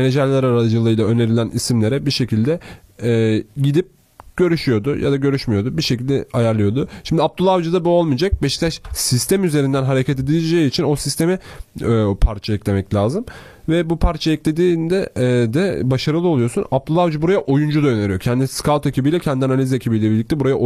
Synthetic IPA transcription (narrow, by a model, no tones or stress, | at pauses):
meed͡ʒæɾlʲæɾaɾad͡ʒɯlˠɯjlˠaø̞ne̞ɾilʲænʔisimlʲe̞ɾɛbiʃe̞cʰilʲd̪ɛː | ɟid̪ip̚ | ɟ̥ø̞ɾyʃyjo̞d̪ʊjʔa̰d̪aɟø̞ɾyʃmijo̞d̪ubiɾʃecilʲd̪ɛ̰ajaɾlˠɯjo̞d̪ʊʃimd̪ʲiap̚t̪ʰulˠavd͡ʒɯd̪abuo̞lˠmid͡ʒak̚bɛʃt̪ʰaʃsist̪ʰæmyze̞ɾind̪ænɦaɾe̞cʰet̪ʰed̪ilʲd͡ʒejiːt͡ʃʰino̞sist̪e̞mi | pʰaɾt͡ʃʰajɛclʲe̞mɛclʲaːzɯm | vɛbupʰaɾt͡ʃʰajɛclʲe̞d̪iːnd̪ɛd̪ɛbaʃaɾɯlˠɯo̞lˠujo̞sunap̚t̪ʰulˠavd͡ʒibuɾajaʔojund͡ʒud̪aø̞ne̞ɾijo̞cʰɛnd̪iskʰalˠt̪ʰecʰibijlʲɛcʰɛnd̪ianalʲizecʰibijlʲɛbiɾlʲic̚t̪ʰɛbuɾaja